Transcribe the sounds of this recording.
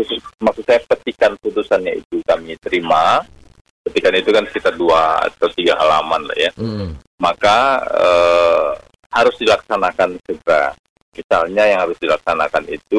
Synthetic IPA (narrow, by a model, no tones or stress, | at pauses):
smaksusajapət̪ikanput̪usanɲaḭt̪ukamit̪əɾima | pət̪ikanit̪ukansit̪aduaa̰t̪awt̪iɡaɦalamanla̰ja | makaə | haɾʊsdilaksanakansəɡəɾa̰ | misalɲajaŋhaɾʊsdilaksanakanit̪u